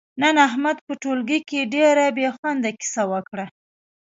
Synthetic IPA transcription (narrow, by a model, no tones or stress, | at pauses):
nanaɦmad̪pəʈolɡikeɖeɾabexwand̪aki̥sawəkɽa